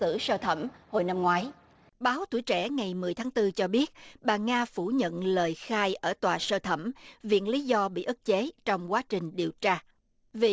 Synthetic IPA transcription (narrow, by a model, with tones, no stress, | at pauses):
ɨ̰˧˩˥səː˧t̪ʰə˧˩mho˨˩jna˧mŋwaː˨˦j | ɓaː˨˦wt̪ṵ˧˩əjt͡ɕɛ̰˧˩ŋa˨˩jmɨ˨˩əjt̪ʰaː˨˦ŋt̪ɨ˧t͡ɕɔ˧ɓi˦˥ət̚ɓaː˨˩ŋaː˧fu˧˩ɲə̰˧˨nləː˨˩jxaː˧jʔəː˧˩t̪waː˨˩səː˧t̪ʰə˧˩mvḭ˧˨ənli˨˦zɔ˧ɓḭ˧˨ʔɨ˦˥k̚t͡ɕe˨˦t͡ɕɔ˧wŋ͡mkwaː˨˦t͡ɕï˨˩ŋ̟ɗi˨˩əwt͡ɕaː˧ | vi˨˩